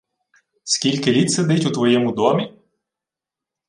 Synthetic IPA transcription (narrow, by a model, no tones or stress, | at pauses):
skʲilʲkɪlʲit̪sed̪ɪtʲut̪ʋɔjɛmʊd̪ɔmʲi